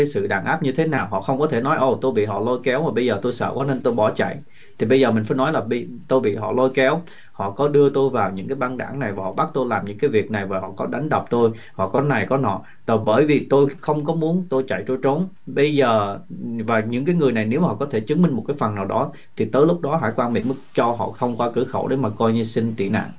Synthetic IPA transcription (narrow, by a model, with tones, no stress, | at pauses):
aː˨˦jsɨ̰˧˨ɗaː˧˩nʔaː˦˥p̚ɲɨ˧t̪ʰe˨˦naː˨˩wɦɔ̰˧˨xə˧wŋ͡mkɔ˨˦t̪ʰe˧˩nɔ˨˦jʔo˧˩wt̪o˧jɓḭ˧˨ɦɔ̰˧˨lo˧jkɛ˨˦wmaː˨˩ɓə˧jzəː˨˩t̪o˧jsə̰ː˧˨kɔ˨˦ne˧nt̪o˧jɓɔ˧˩t͡ɕa̰˧˨j | t̪ʰi˨˩ɓə˧jzəː˨˩mï˨˩ŋ̟faː˧˦nɔ˨˦jlaː˨˩ɓə˧t̪o˧jɓḭ˧˨ɦɔ̰˧˨lo˧jkɛ˨˦w | hɔ̰˧˨kɔ˨˦ɗɨ˧ət̪o˧jvaː˨˩wɲɨ̰˧˥ŋkaː˨˦jɓaː˧nɗa̰ː˧˩ŋna˨˩jvaː˨˩hɔ̰˧˩ɓa˦˥k̚t̪o˧jlaː˨˩mɲɨ̰˧˥ŋkaː˨˦jvi˨˩ək̚na˨˩jvaː˨˩ɦɔ̰˧˨kɔ˨˦ɗa˨˦jŋ̟ɗə˨˩wk͡p̚t̪o˧j | hɔ̰˧˨kɔ˨˦na˨˩jkɔ˨˦nɔ̰˧˨ | t̪ɔː˨˩ɓəː˧˩jvi˨˩t̪o˧jxə˧wŋ͡mk̬ɔ˨˦mu˨˦ənt̪o˧jt͡ɕa̰˧˨jt̪o˧jt͡ɕo˨˦n | ɓə˧jzəː˨˩vaː˨˩ɲɨ̰˧˥ŋkaː˨˦jŋɨ˨˩əjna˨˩jne˨˦whɔ̰˧˨˩kɔ˨˦t̪ʰe˧˩t͡ɕɨ˨˦ŋmi˧ŋ̟mo˨˩t̚kaː˨˦jfə˨˩naː˨˩wɗɔ˨˦ | t̪ʰi˨˩t̪əː˨˦jlʊ˦˥k͡p̚ɗɔ˨˦ɦa̰ː˧˥˩jkwaː˧nmḭ˧˩˨mɨ˨˦t͡ɕɔ˧ɦɔ̰˧˨xə˧wŋ͡mkwaː˧kɨ˧˥xə̰˧˩wɗe˨˦maː˨˩kɔ˧jɲɨ˧si˧ŋt̪ḭ˧˨na̰ː˧˨ŋ